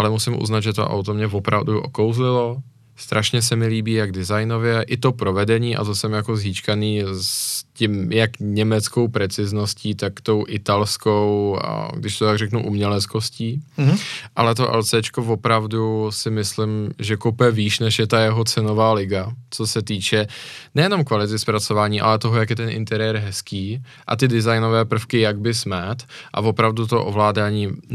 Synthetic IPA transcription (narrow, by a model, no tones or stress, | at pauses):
ʔalɛmusɪmʔṵznad̪ʒɛt̪o̰ʔa̰wt̪o̞mɲɛvopɾa̰vduʔo̰kowzlɪlo̞ | st̪ɾʔaʃɲɛs̬ɛmɪliːbiːjaɡdɪzajno̞vjɛʔɪt̪o̞pɾo̞vɛdɛɲiːʔa̰t̪osɛmjako̞zɦiːt͡ʃkaniːscimjakɲɛmɛt͡sko̞wpɾɛt͡sɪznosciːt̪akt̪o̞wʔɪt̪alskowa̰ɡdɪʃt̪ot̪aɡrɛknuʔumɲɛlɛt͡sko̞sciː | ʔalɛt̪o̞ʔɛ̰lt͡sɛːt͡ʃkovopɾavdusɪmɪslɪmʒɛkowpɛviːʃnɛʃjɛt̪ajɛɦo̞t͡sɛno̞vaːlɪɡat͡so̞sɛt̪iːt͡ʃɛnɛjɛno̞mkvalɪt̪ɪspɾat͡so̞vaːɲiːʔa̰lɛt̪oɦojakjɛt̪ɛnʔɪ̰nt̪ɛɾɪjɛɾɦɛskiː | ʔa̰t̪ɪdɪzajno̞vɛːpr̩fkɪjaɡ̚bɪsmɛt̪ʔa̰vo̞pɾavdut̪oʔovlaːdaːɲiː